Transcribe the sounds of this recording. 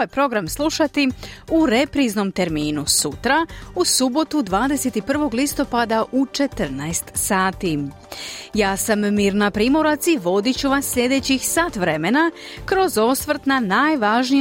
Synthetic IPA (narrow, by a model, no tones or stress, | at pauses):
oajpɾo̞ɡɾamslˠuʃat̪iuɾe̞pɾizno̞mt̪e̞ɾmiːnusut̪ɾausubo̞t̪ud̪ʋaːd̪eset̪ipr̩ʋo̞ɡlist̪o̞pad̪aʔut͡ʃe̞t̪ɾnaest̪saːt̪i | jaːsamːiːɾnapɾiːmoɾat̪siʋo̞d̪it͡ɕuʋasːʎʲe̞d̪e̞t͡ɕixsaːt̪ʋɾe̞menakɾo̞zo̞sʋr̩t̪nanaːjʋaʒni